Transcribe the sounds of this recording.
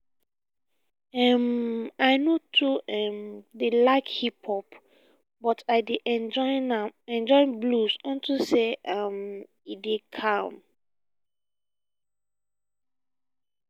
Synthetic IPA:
ɛmaɪnotʰuɛmdelaɪkhipʰɔp | bɔtʰaɪdeʔɛnɔɪnaɛ̃nd͡ʒɔɪ̃blusɔ̃ntuseɛm | idekʰãm

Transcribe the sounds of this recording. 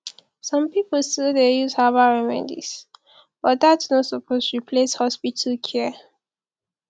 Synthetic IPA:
sɔ̃mpipəlstildejuzhavaɹɛmɛ̰dḭs | b̥ɔtdatsnɔtsɔpʰostupʰleshɔspitʰəlkʰɛ

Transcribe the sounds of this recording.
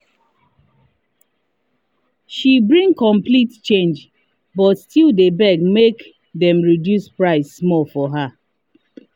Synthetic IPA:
ʃibɹĩŋkɔ̃mplitt͡ʃẽnd͡ʒ | bɔtstildebɛɡmek | dɛ̃mɹidjuspɹaɪsːmɔlfɔɦa

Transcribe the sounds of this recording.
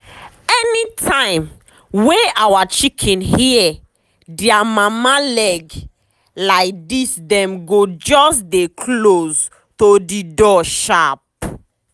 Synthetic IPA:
ɛnitʰãɪ̃m | wɛawat͡ʃikʰɛ̃nhiɛ | diamamalɛɡ | laɪk̚disdɛ̃mɡod͡ʒɔsdekʰloz | todidɔʃap̚

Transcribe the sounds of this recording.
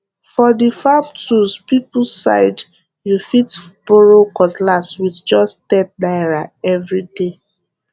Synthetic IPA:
fɔdifab̚tuspipsa̰ɪd | jufitb̥oɹokɔtlaswidd͡ʒɔsttɛt̚daɪɹaɛvɹide

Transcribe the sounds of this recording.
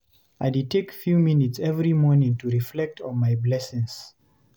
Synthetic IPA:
ajditʰekfjumĩnitsɛvɹimɔɹnɪ̃ŋtʰuɹiflɛk̚tʰɔ̃nmajblɛsĩŋs

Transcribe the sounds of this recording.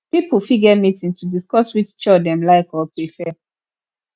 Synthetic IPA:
pipʰəfiɡɛmitĩŋtʰudiskɔswit͡ʃt͡ʃɔdɛ̃mlaɪkɔpɹifɛ

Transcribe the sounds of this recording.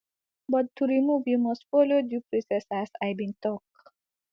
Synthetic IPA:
bʌt̪̚t̪ʰːuɾimubjumɔspoljodupɾisesasajbint̪ɔk

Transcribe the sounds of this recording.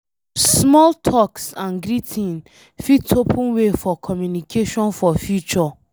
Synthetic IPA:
smɔltʰɔksãnɡɾitʰĩn | fitʰopʰũnwefɔkʰɔmjunikʰeʃɔ̃nfɔfjut͡ʃɔ

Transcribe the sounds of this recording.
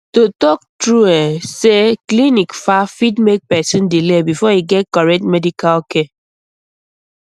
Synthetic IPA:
totɔk̚tɹuɛseklinikfafidmek̚pɛsĩndilebifɔiɡɛt̚kɔɹɛk̚tmedikaloke

